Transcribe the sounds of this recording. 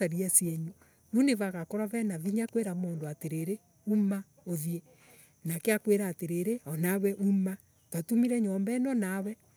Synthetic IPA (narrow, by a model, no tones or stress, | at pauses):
aɾiasjɛɲu | uneβaɣakɔɾavɛnaðiɲakweɾamoːndoateɾeɾe | uma | oðie | nakeakweɾaːteɾeɾeɔnawɛʔuma | twatumiɾɛɲɔmbɛnɔnawɛ